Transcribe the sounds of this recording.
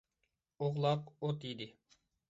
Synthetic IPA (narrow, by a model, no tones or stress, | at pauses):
oʁlˠɑqot̪id̪ɪ